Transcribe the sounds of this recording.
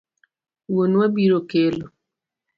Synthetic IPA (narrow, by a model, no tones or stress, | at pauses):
wonwabiɾokelo